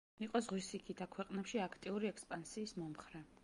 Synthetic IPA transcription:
iqʼɔzʁwisikʰid̪akʰwɛqʼnɛpʃiakʰt̪ʼiuɾiɛkspʼansiːsmɔmχɾɛ

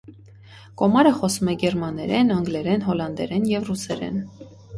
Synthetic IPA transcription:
kɔmɑɾəχɔsumɛɡɛɾmɑnɛɾɛnəŋɡlɛɾɛnɦɔlɑnd̪ɛɾɛnjɛvrusɛɾɛ̰n

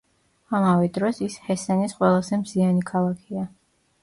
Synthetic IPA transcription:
amavɛd̪ɾɔsishɛsɛnisqʼwɛlˠazɛmzianikʰalˠakʰia

